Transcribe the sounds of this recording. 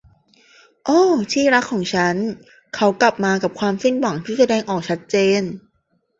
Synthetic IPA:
ʔoː˧˥˩t͡ɕ̪ʰiː˥˩ɾa˦˥kʰːɔː˩˦ŋt͡ɕʰa˦˥n | kʰa˦˥wkla˨˩p̚maː˧ka˨˩p̚kʰwaː˧msi˥˩nwa˩˦ŋt̪ʰiː˥˩sa˧dɛː˧ŋʔɔː˨˩k̚t͡ɕʰa˦˥t̪̚t͡ɕeː˧n

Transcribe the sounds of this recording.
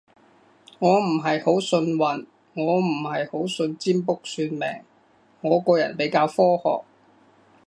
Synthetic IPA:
ŋɔː˨˧m̩˨˩ɦɐ˨jho˨˥wsɵ˧nwɐ˨n | ŋɔː˨˧m̩˨˩hɐ˨jho˨˥wsɵ˧nt͡siː˥mpʊ˥k̚syː˧nmɛ̰ː˨˩ŋ | ŋɔː˨˧kɔː˧jɐ̰˨˩npe˨˥jkaː˧wfɔː˥hɔ̰ː˨˩k̚

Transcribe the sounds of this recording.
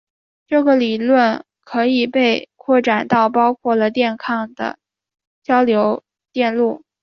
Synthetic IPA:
ʈ͡ʂɤ˥˩ɡə˩li˨˩lwə˥˩n | kʰɤ˧˥i˨˩pe˥˧ɪkʰwɔ˥˩ʈ͡ʂa˨˩nt̪ɑ˥˩ʊp̬ɑ˥ʊkʰwɔ˥˩lə˩t̪jɛ˥˧nkʰɑ˥˧ŋd̪ə̰˩ | t͡ɕjɑ˥ʊljo˧˥ʊ | t̪jɛ˥˧nlu˥˩

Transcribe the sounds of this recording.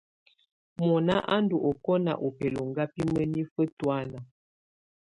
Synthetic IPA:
mɔ˨na˦ʔa˦ndu˨ʔɔ˨kɔ˦na̰˨ʔo˨pɛ˨lo˨ŋɡa˦pi˦mə˦ni˦fə˦twa˦na˨

